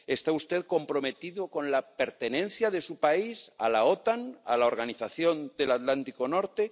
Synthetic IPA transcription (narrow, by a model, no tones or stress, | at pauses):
est̪aust̪e̞ðko̞mpɾo̞me̞t̪iðoko̞nlape̞ɾt̪e̞nẽ̞n̟θjaðe̞supaisa̰laot̪ana̰lao̞ɾɣaniθaθjo̞nd̪e̞lat̪lant̪iko̞no̞ɾt̪e